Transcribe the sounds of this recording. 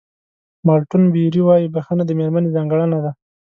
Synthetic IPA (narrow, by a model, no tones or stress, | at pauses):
mɑɾʈʊnbiɾiwɑjibaxənad̪əmeɾmanezɑŋɡəɽənad̪a